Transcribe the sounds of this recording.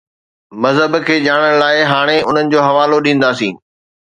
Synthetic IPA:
mɐzɦəbkʰeːʄaːɽ̃əɽ̃laːɪɦaːɽ̃eʊn̤ənɪ̆d͡ʑoːɦɐʋaːloɗĩːn̆d̪aːsḭ̃ː

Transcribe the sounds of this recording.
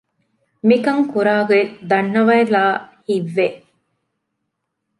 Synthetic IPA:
mikɐŋkuɾaːɡed̪ɐnːɐʋɐelaːhiʋːeʔ

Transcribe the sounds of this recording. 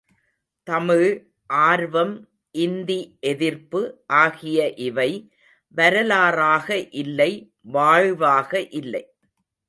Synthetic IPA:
t̪ɐmɪɻ | ʔaːɾʋɐm | ʔɪnd̪iʔɛðɪɾpɯʔaːɣɪjɐʔɪʋɐɪ | ʋɐɾɐlaːɾaːɣɐʔɪlːɐɪ | ʋaːɻʋaːɣɐʔɪlːɐ̰ɪ

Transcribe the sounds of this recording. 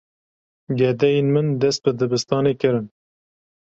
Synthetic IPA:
ɡɛd̪ɛjenmɨnd̪ɛst̪̚bɨd̪ɨbɨst̪ɑːnekɨɾɨn

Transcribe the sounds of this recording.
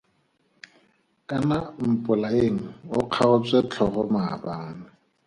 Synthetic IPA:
kʼanam̩pʼʊlaeŋ̩ʊq͡χʰaʊt͡sʼet͡ɬʰɔχʊma̰baŋ̩nɪ

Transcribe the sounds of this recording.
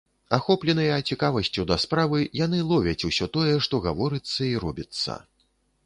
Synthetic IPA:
axɔplʲɛn̪ɐjɐːt͡sʲikavɐsʲt͡sʲud̪ɐspɾavɨjanɨlˠɔvʲɐt͡sʲusʲɔt̪ɔjɛʂt̪ɔɣavɔɾɨt̪sːɐiɾɔbʲit̪sːɐ̰

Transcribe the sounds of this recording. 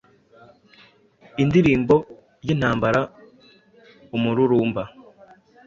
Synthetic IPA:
indiɾiːmbo̞ | jen̥haːmbaɾa | umuɾuɾuːmba

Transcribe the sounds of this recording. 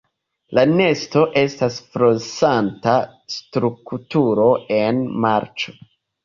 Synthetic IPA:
lane̞sto̞ʔe̞stasfɾosantastɾuktuɾo̞e̞nmaɾt͡ʃo̞

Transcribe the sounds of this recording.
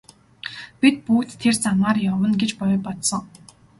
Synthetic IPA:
pʲit̪̚puːt̪ʰːert͡samaːrjɔwə̆nɡet͡ɕpɔjʊpɔt̪sɞ̆ŋ

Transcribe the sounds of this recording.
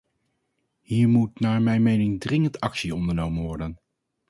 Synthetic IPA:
hiːɹmutnaːɹmɛjnmejnɪŋdrɪŋəntʰɑksiɔndəɹnowmənʋɔɹdən

